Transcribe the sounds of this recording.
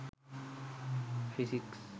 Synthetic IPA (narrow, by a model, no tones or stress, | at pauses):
fʰisiks